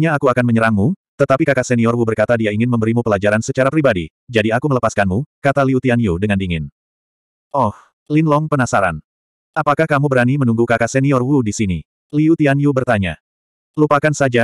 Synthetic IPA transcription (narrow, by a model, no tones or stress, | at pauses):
ɲaːkuakanməɲəɾaŋmut̪ət̪apikakasɛniɔrwubərkat̪adiaiŋɪnməmbəɾimupəlad͡ʒaɾansət͡ʃaɾapɾibadḭ | d͡ʒadiakumələpaskanmukat̪aliut̪ianiudəŋandiŋɪn | ʔɔh | linlɔŋpənasaɾa̰n | ʔapakahkamubəɾanimənuŋɡukakasɛniɔrwudisini | liut̪ianiubərt̪aɲa̰ | lupakansad͡ʒa